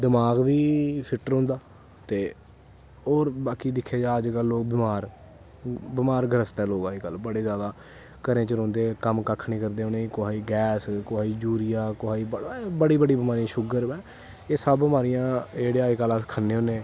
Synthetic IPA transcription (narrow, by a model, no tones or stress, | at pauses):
d̪ɪmaːɡʋiːpʰɪʈɾõːnd̪aː | t̪eː | oːɾbaːkiːd̪ɪkʰːaːd͡ʒaːəd͡ʒkəlːoːɡ̚bɪmaːɾ | bɪmaːɾɡʱəɾəst̪ɛːloːɡaːiːkəlbəɽeːzjaːd̪aː | kəɾẽːt͡ʃəɾõːnd̪eːkəmkəkʰːniːkəɾd̪eːoːneːkoaːiːɡɛːskoaːiːd͡ʒuːɾɪjaːkoaːiːbbəɽiːbəɽiːbəmaːɾijãːʃʊɡəɾɛː | eːsəbːmaːɾijãːd͡ʒeːɽeːaːiːkəlaskʰənːeːɦõːnẽː